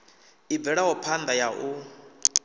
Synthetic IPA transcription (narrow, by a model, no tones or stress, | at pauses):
ibɛɺaɦɔpʰand̪ajaʔu